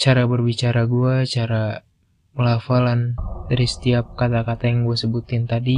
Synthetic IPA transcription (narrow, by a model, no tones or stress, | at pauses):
t͡ʃaɾabərbit͡ʃaɾaɡuat͡ʃaɾa | məlafalandaɾisə̥t̪iap̚kat̪akat̪ajaŋɡuasəbut̪ɪnt̪adi